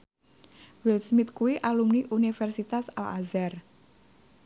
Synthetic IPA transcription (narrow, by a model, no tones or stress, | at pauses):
wilsmit̪kuwiʔalumniʔunifɛrsit̪asala̰zɛr